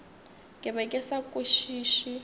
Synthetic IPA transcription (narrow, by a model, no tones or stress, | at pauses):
kʼɛβɛkʼɛsakʼuʃiːʃi